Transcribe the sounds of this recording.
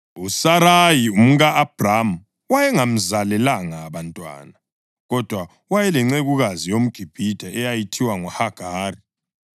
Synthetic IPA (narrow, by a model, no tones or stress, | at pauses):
usaɾajium̩ɣaːb̥ʱramu | wajɛŋam̩zalɛlaŋaβantʼwa̰ːna | ɣɔd̥ʱwa | wajɛlɛŋ͡ǀeɣuɣazijom̩ɡ̥ʱib̥ʱid̥ʱaʔɛjajitʰiwaŋɔhaɡ̥ʱaːri